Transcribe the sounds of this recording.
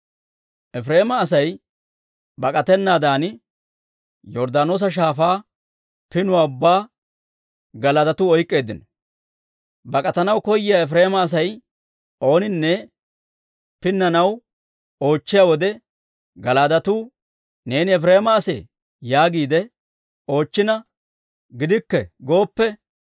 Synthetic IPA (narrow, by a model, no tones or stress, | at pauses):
ʔɛfɾe̞ːmɐːsɐj | bɐkʼɐt̪ɛnːaːd̪aːnɪ | jɔɾd̪aːno̞ːs̬ɐʃ̬aːfaː | pɪnʊwaːʊbːaː | ɡɐlɐt̪ɐt̪ʊɔjkʼːe̞ːd̪ːɪnɔ | bɐkʼɐt̪ɐnɐwkɔjːɪjaɛfɾe̞ːmɐːs̬ɐj | o̞ːnɪnːɛ | pɪnːɐnɐw | o̞ːt͡ʃːɪjawɔd̪ɛ | ɡɐlaːd̪ɐt̪uː | ne̞ːnɪɛfɾeːmɐːsḛː | jaːɡiːd̪ɛ | o̞ːt͡ʃːɪnɐ | ɡɪd̪ɪkːɛɡo̞ːpːɛ